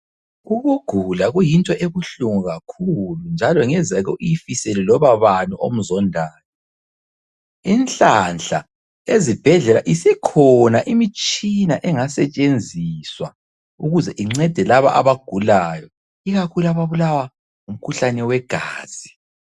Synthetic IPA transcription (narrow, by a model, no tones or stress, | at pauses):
uɣuɡ̥ʱulaɣujintʼɔʔeβuɬuŋuɣakʰulund͡ʒʱalɔŋɛzɛɣɔ̰ʔijifisɛlɛlɔβaβanuʔo̰m̩zɔndʱaːjɔ | inɬʼanɬa | ezib̥ʱɛɮɛla̰ʔisikʰɔnaʔimit͡ʃʼinaʔɛŋasɛt͡ʃʼend͡zʱiswa | uɣuzɛʔiŋ͡ǁɛd̥ʱɛlaβa̰ʔaβaɡ̥ʱulajɔ | iɣakʰulaβaβulawa | um̩kʰuɬanɛwɛɡ̥ʱaːz̥i